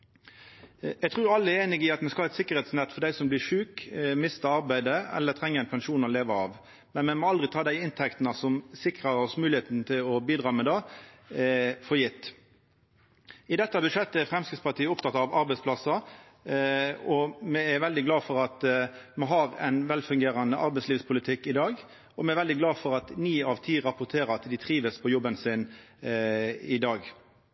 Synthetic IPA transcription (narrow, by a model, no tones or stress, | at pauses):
ɛɡ̚t̪ʰɾuːɾɑlːəɛɾeːnɪɡɪɑt̪mɛskɑɑːɛt̪sɪkːəɾɛt̪snɛt̪ːfɔd̪æɪsɔmblɪɾʂʉːkmɪst̪əɑɾbæɪd̪əɛ̰lːət̪ʰʁɛŋːəæɪnpʰɛnʂuːnɔleːʋəɑːʋ | mɛnmɛmɔɑld̪ʁɪt̪ʰɑːd̪æɪɪnt̪ʰɛkt̪nəsɔmsɪkʁəɔsmʉːlɪeːt̪nət̪ʰɪlɔbiːd̪ʁɑːmɛd̪ɑ | fɔɾjɪt̪ː | ɪd̪ɛt̪ːəbʉʂɛt̪ːəæɾfɾɛmskɪt̪spɑʁt̪ʰiːəʊp̚t̪ʰɑt̪ɑʋɑɾbɛɪsplɑsɑ | ɔmɛæɾʋɛld̪ɪɡlɑːfɔɾɑt̪mɛnɦɑɾɛ̰ɪnʋɛlfʉŋɡeːɾɑnəʔɑɾbɛɪsliːʋspʰʊlɪt̪ʰɪkːɪd̪ɑːɡ | ɔmɛɛɾʋɛld̪ɪɡlɑːfɔʁɑt̪niːɑʋt̪ʰiːɾɑpʊt̪ʰeːɾɑt̪d̪ɪt̪ʰɾiːʋəspʰɔjɔbːənsɪn | ɪd̪ɑːɡ